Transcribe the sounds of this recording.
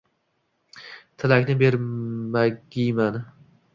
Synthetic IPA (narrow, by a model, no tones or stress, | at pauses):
t̪ʰɪlakʲnɪbe̞ɾmaɡʲijman